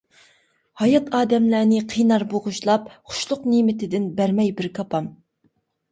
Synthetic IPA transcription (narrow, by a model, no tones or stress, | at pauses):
hɑjɑt̪ɑːd̪ɛmlænɪqʰijnɑɾboʁʊʃlˠɑpχʊ̥ʃlˠʊqnimɪt̪ʰɪd̪ɪnbæɾmɛjbɪɾkʰɑpʰɑm